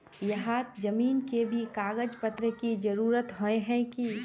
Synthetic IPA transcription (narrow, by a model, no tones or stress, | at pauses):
jɐɦaːt̪d͡ʒəmiːnkebʱikaːɡəd͡ʒpət̪ɾəkid͡ʒɐɾuːɾət̪ɦoeɦɛ̃ki